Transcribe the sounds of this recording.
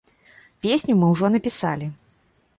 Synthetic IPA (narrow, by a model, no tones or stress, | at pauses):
pʲesʲnʲumɨwʐɔnɐpʲisa̰lʲi